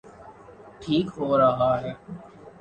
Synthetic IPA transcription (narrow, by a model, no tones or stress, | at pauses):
ʈʰiːkɦoːɾɐɦaɦɛː